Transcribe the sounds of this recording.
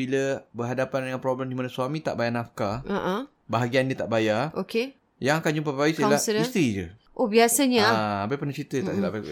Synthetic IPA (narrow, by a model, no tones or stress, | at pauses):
iləbəɦadapandəŋanpɾobləmdimanasuamĩt̪a̰ʔbajanafkaaʔ | baɦaɡiandət̪aʔbajarʔoke | jaŋakand͡ʒumpabbajisalahsist̪ɾid͡ʒə̰ | ʔobiasəɲaaabajpənət͡ʃit̪ət̪a̰ʔsilaʔba